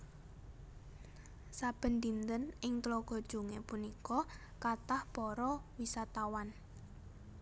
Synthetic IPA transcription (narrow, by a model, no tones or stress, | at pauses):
sab̥ə̤nd̪int̪ənɪŋt̪lɔɡ̥ɔ̤d̥ʒ̥ṳŋepunikɔ | kat̪ahb̥ɔɾɔwisat̪awan